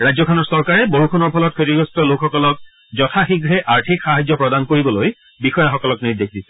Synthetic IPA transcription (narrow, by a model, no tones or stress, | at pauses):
ɹazjɔkʰɔnɔɹsɔɹkaɹɛboɹukʰunɔɹpʰɔlɔt̚kʰotiɡɔstɔlokxɔkɔlɔk̚ | zɔtʰaxiɡɹɛʔaɹtʰikxaɦazɔpɹɔdankoɹibɔloj | bixɔjaxɔkɔlɔkniɹdexdisɛ̥